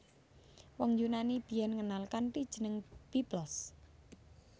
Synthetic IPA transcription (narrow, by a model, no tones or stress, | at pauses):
wɔŋjunanib̥i̤jɛnŋənalkanpid̥ʒ̥ə̤nəŋb̥iblɔs